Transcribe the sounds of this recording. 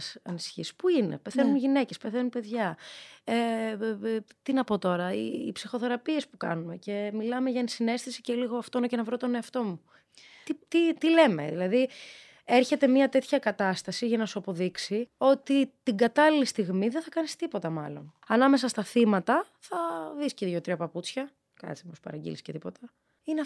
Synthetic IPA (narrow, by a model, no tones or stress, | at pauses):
sɐnisi̥çispuine̞̰pe̞θenunʝine̞ce̞speθenunpe̞ðʝɐe | t̪inɐpot̪o̞ɾɐḭːpsixo̞θe̞ɾɐpie̞spukɐ̰nume̞ce̞milɐmeʝɐnsine̞st̪isiceliɣo̞ɐft̪oenocenɐvɾot̪o̞ne̞ɐft̪o̞mu | it̪it̪ile̞me̞̰ðilɐði | eɾçe̞t̪e̞miɐt̪e̞t̪çɐkɐt̪ɐst̪ɐsiʝɐnɐsuɐpoðiksio̞t̪it̪iɡɐt̪ɐlilist̪iɣmiðeθɐkɐnist̪ipo̞t̪ɐmɐlo̞n | ɐnɐme̞sɐst̪ɐθimɐt̪ɐ | θɐðisceiðjot̪ɾiɐpɐput͡sçɐ | kɐ̰t̪t͡sipospɐ̰ɾɐɟḭliscet̪ipo̞t̪ɐ | ine